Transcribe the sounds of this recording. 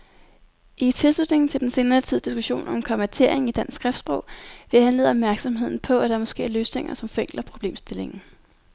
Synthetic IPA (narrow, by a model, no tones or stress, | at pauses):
ʔit͡sʰe̝lslud̥ne̝ŋn̩t͡sʰe̝ld̥ense̝ːnɐːt͡sʰið̞̰ˠd̥isɡ̥uɕo̝̰ːnɒ̽mmkʰɒ̽mæt͡sʰe̝ɐ̰e̝ŋ̩id̥æn̰sɡ̥ʁɛfd̥sb̥ʁɔ̽ʊ̰ʋe̝hænle̝̰ːðˠɒ̽b̥mæɐɡ̥sɒ̽mɦe̝ð̞̰ˠn̩pʰɒ̽æɾ̥ɑ̈æɐmɒ̽sɡ̥e̝̰ːæɐløːsne̝ŋɐsɒ̽mfeŋ̰ɡ̥lɐpʰʁo̝b̥le̝̰ːmsd̥e̝le̝ŋn̩